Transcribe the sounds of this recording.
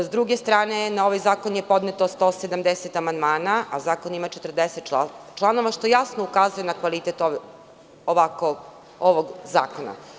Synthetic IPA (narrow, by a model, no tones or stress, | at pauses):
zd̪ɾuɡest̪ɾaːne̞nao̞ʋajzaːkonje̞po̞d̪net̪ost̪oːsed̪amd̪eset̪amand̪maːnaʔazaːko̞nimat͡ʃet̪r̩d̪eset̪t͡ʃat͡ʃlˠano̞ʋaʃt̪ojasnoukaːzujenakʋalit̪et̪o | oʋako | oʋoɡza̰ːkona̰